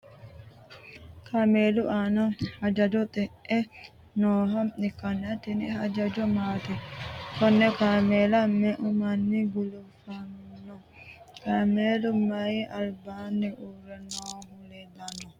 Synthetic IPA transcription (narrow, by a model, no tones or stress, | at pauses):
kʰameːlʊʔaːnɐhɐd͡ʒɐd͡ʒɔt̪ʼɛʔʔɛ | noːɦɐmɛkːɐnːɛɐt̪ːɛnɛhɐd͡ʒɐd͡ʒɔmaːt̪ɛt̪ɔnːɛkameːlɐmːɛʔʊmɐnːiɡʊlʊfɐnnːɔ | kameːlʊmɐjʔɐlbanːɛʔurɛnoːhʊlɛd̪ɐnːɔ